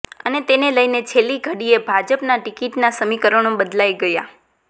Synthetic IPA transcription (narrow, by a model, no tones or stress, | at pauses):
ənet̪eneləjnet͡ʃʰeliɡʱəɽiebʱad͡ʒəpnaʈikiʈnasəmikəɾənõbəd̪lajɡəja̰